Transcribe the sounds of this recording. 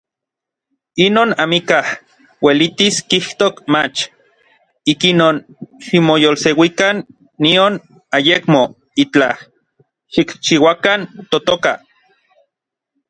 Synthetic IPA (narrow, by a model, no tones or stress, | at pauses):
inoːnamikah | welit̪iskiht̪okmat͡ʃ | ikinoːnʃimojolsewikanː | ion | ajekmo | it͡ɬa | ʃikt͡ʃiwakant̪ot̪oka